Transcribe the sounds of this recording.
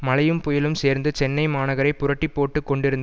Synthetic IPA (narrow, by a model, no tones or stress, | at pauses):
mɐlɐjɯmpʊjɪlɯmseːɾnd̪ɯt͡ʃɛnːɐɪmaːnɐɣɐɾɐɪpːʊɾɐʈːipːoːʈːɯkːɔɳɖɪɾɯnd̪ɐ